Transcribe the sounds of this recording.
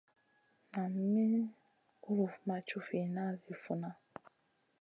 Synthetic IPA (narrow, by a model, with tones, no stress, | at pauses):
na˨m̩˦mi˦ | ʊ˦ɾu˨fu˨ma˨t͡ʃu˦fi˨na˦˨zi˨fu˨na˦